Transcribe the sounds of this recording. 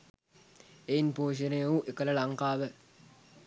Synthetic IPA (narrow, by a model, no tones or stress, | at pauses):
ejinpoːʃ̬ənejəʋuʔekələlaŋkaːʋə